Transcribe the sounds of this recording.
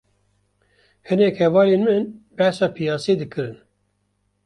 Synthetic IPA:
hɨnɛkhɛvɑːleːnmɨnbɛhsɑːpʰijɑːseːd̪ɨkɨɾɨn

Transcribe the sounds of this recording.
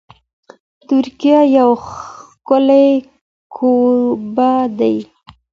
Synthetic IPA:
t̪ʊɾkijajawkʊlaj | kʰobad̪aj

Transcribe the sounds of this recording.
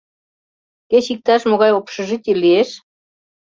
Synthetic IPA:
ket͡ɕik̚t̪ɑʃmoɣɑjopʃə̆ʒit̪ʲelieʃ

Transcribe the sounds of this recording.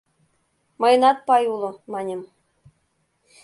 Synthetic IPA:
mɤ̆jɤ̆nɑt̪̚pɑjulˠŏmɑnʲɤ̆m

